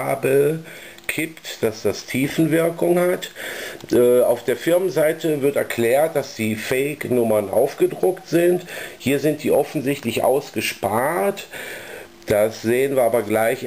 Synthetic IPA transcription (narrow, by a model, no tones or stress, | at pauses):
bə | kʰɪptd̥asd̥astʰiːfn̩vɪɐkʊŋhatʔɛːaʊfd̥eːɐfɪɐmənzaɪtʰəvɪɐtɛɐkʰl̥ɛːɐt̚d̥asd̥iːfɛɪknʊmɐnʔa̰ʊfɡ̥ədʁʊktz̥ɪnthiːɐzɪnt̚d̥iːʔɔfn̩zɪçtlɪçʔa̰ʊsɡ̥əʃpaːt | d̥asz̥eːənviːɐaːbɐɡlaɪç